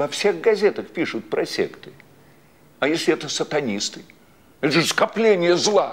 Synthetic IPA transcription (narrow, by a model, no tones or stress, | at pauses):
vɐfsʲe̞ɣɡɐzʲe̞t̪əxpʲiʂʊt̪̚pɾɐsʲḛkt̪ɨ | ɐjesʲlʲɪɛt̪əsət̪ɐnʲist̪ɨ | ɛt̪əʐskɐplʲenʲɪjəzlˠa